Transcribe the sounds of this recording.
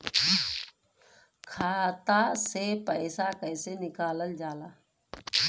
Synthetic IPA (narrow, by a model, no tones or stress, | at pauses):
kʰaːt̪asepəɪsakəːsenɪkaːləld͡ʒaːlaː